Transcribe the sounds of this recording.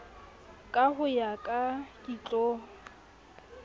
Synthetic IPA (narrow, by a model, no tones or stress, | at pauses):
kʼahʊjakʼakʼit͡ɬʼoː